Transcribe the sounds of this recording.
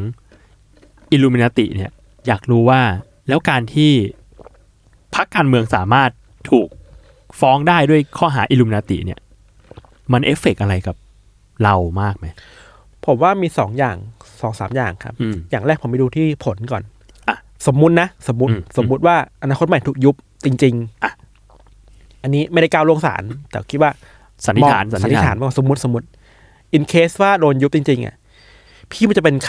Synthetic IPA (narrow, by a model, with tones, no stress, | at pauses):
ŋ | ʔi˧luː˧mi˧na˧t̪ḭ˨˩ʔni˥˩ɐ | jaː˨˩k̚ɾuː˨˦˥waː˥˩ | lɛː˦˥wkaː˧nt̪ʰiː˥˩ | pʰa˦˥kːaː˧nmɯ˧əŋsaː˩˦maː˥˩t̪ʰːuː˨˩k̚ | fɔː˦˥ŋdaː˥˩jdu˥˩əjkʰɔː˥˩ɦaː˩˦ʔi˧luː˧mi˧na˧t̪ḭ˨˩ʔni˥˩ɐ | ma˧nʔe˦˥fe˨˩k̚ʔa˧ɾa˧jka˨˩p̚ | ɾa˧wmaː˥˩k̚ma˦˥j | pʰo˩˦mwaː˥˩miː˧sɔː˩˦ŋjaː˨˩ŋsɔː˨˩˦ŋsaː˨˩˦mjaː˨˩ŋkʰa˦˥p̚jaː˨˩ŋɾaɛː˥˩k̚ʰo˩˦ma˥˩duː˧t̪ʰiː˥˩pʰo˩˦nkɔː˨˩n˧ | so˨˩˦mːu˦˥t̪̚na˦˥so˩˦mːu˦˥t̪so˨˩˦mːu˦˥t̪̚waː˥˩ʔa˧naː˧kʰo˦˥t̪̚ma˨˩t̪ʰuː˨˩k̚ju˦˥p̚t͡ɕi˧ŋt͡ɕi˧ŋ˧ | ʔa˧nːiː˦˥ma˥˩da˥˩jkaː˧wlu˧əŋsa̰ː˩˦nt̪ɛː˨˩kʰi˦˥t̪̚waː˥˩ | sa˨˦t̪i˦ɔ˧t̪ʰa̰ː˩˦nsa˨˦˨i˦˧˦t̪ʰaː˩˦nma˥˩kːɔː˨o˩˦mu˦t̪̚so˩˦mu˦˥t̪̚ | ʔi˧nkʰeː˦˥swaː˥˩doː˧nju˦˥p̚t͡ɕi˧ŋt͡ɕi˧ŋʔa̰˨˩ | pʰiː˥˩m˥˩t͡ɕa˨˩pe˧nkʰ